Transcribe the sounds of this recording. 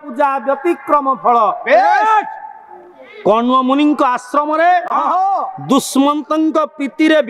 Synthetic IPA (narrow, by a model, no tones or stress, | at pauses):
pud͡ʒabjɔt̪ikɾɔmɔpʰɔɭɔpe | kɔɳwɔmuniŋkɔasɾɔmɔɾe | d̪usmɔnt̪ɔŋkɔpit̪iɾeb